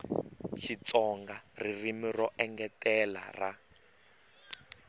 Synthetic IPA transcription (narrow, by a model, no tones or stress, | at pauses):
ʃit͡sɔŋɡaririmirɔʔɛŋɡɛtɛla̰ra